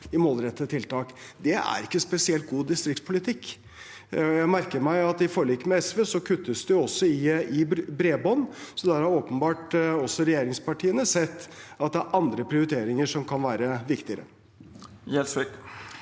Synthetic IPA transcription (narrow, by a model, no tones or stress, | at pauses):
ɪmoːlɾɛt̪ːət̪ʰɪlt̪ʰɑːkd̪ɛæ̰ɾɪkːəspɛsɪɛlt̪̚ɡuːd̪ɪst̪ɾɪkt̪spʰʊlɪt̪ʰɪkː | jæɪmæɾkəɾmæɪɑt̪ɪfoːɾɭiːkːmɛɛsʋeːsɔkʰʉt̪ːəsd̪ɛjʊɔsːɔɪɪbɾeːbɔnːsɔd̪æɾhɑɾoːpənbɑːʈɔsːɔɾɛjeːɾɪŋspɑʈʰiːənəsɛt̪ːɑt̪̚d̪ɛæɾʔɑnd̪ɾəpʰɾɪʊɾɪt̪ʰeːɾɪŋəʂɔmkʰɑnʋæːɾəʋɪkt̪ɪəɾə | jɛlsʋɪk